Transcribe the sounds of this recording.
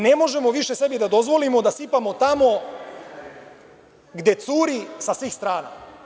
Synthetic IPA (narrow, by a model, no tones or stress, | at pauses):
nemo̞ʒe̞mo̞ʋiʃese̞bid̪ad̪o̞zʋo̞limo̞d̪asipamot̪amo̞ | ɡd̪e̞t̪suːɾisasʋiːxst̪ɾaːna̰